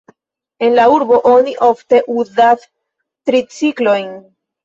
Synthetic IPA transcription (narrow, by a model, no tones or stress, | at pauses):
e̞nlauɾbo̞ʔoniʔo̞fte̞ʔuzas | tɾit͡siklo̞jn